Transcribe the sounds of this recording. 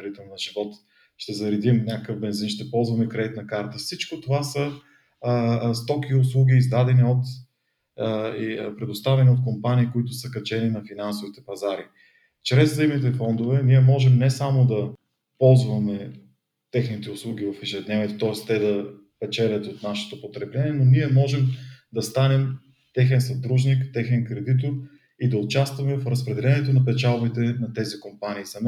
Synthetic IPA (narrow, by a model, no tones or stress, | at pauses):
ɾit̪ɛlˠnɐʒivɔt̪ | ʃt̪ɛzɐɾɛd̪imnʲakəkəvbɛnzinʃt̪ɛpɔlˠzvɐmɛkɾɛd̪it̪nɐkaɾt̪əfsit͡ʃkot̪ovasə | st̪ɔkiʊs̬lˠuɡ̟ʲiːzd̪ad̪ɛniot̪ | pɾɛd̪ʊst̪avɛniot̪̚kompaniːkoit̪ʊsəkɐt͡ʃɛninɐfinansʊvit̪ɛpɐzaɾi | t͡ʃɾɛzzəimnit̪ɛfɔnd̪ovɛniɛmɔʒɛmnɛsamod̪ɐ | pɔlˠzvɐmɛ | t̪ɛxnit̪ɛʊslˠuɡ̟ʲivɐfiʒɛd̪nɛvʲiɛt̪ot̪ɔɛst̪ɛd̪ɐ | pɛt͡ʃɛlʲɐt̪ot̪naʃɛ̥t̪opot̪ɾɛblɛnʲiɛnoniɛmɔʒɛmd̪ɐst̪anɛm | t̪ɛxɛnsɐd̪ɾuʒnikt̪ɛxɛnkɾɛd̪it̪̬oɾ | id̪ɐʊt͡ʃast̪vɐmɛfɾəspɾɛd̪ɛlɛnɛt̪onɐpɛt͡ʃalˠbit̪ɛnɐt̪ɛzikompaniːsɐm